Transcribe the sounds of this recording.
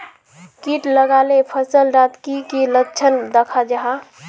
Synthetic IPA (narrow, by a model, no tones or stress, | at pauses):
kiʈləɡaːlepʰəsəlɾat̪kikiləkt͡ʃʰənd̪əkʰad͡ʒaɦa